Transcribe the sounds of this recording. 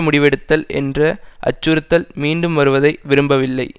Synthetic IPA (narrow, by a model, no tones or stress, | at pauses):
mʊɽɪʋɛɽɯt̪ːɐlɛ̰ndrɐʔɐ̰t͡ʃːɯɾɯt̪ːɐlmiːɳɖɯmʋɐɾɯʋɐðɐɪʋɪɾɯmbɐʋɪlːɐɪ